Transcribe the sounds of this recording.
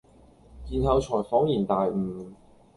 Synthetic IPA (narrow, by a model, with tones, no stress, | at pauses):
kiː˨˧nhɐ˧wt͡ʃʰɔː˨˩jfɔː˨˥ŋjiː˨˩nt̪aː˨jm̩˨˩